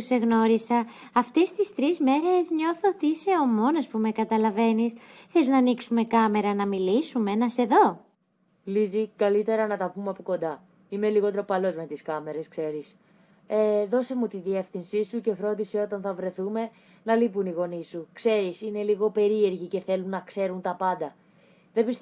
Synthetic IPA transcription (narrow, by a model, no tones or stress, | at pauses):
use̞ɣno̞ɾisɐ | ɐft̪e̞st̪ist̪ɾizme̞ɾe̞zɲo̞θot̪iise̞o̞mo̞nɐspume̞kɐt̪ɐlɐve̞nisθeiznɐniksume̞kɐme̞ɾɐnɐmilisumenɐse̞ðo̞ | lizikɐlit̪e̞ɾɐnɐt̪ɐpumeɐpoko̞nd̪ɐ | ime̞liɣo̞t̪ɾopɐlo̞zme̞t̪iskɐme̞ɾe̞skse̞ɾis | eðo̞se̞mut̪iðie̞fθinsisuce̞fɾo̞nd̪ise̞o̞t̪ɐnθɐvɾe̞θume̞ | nɐlip̬uniɣo̞nisukse̞ɾisine̞liɣo̞pe̞ɾie̞ɾʝice̞θe̞lunɐkse̞ɾunt̪ɐpɐnd̪ɐ | ðebist̪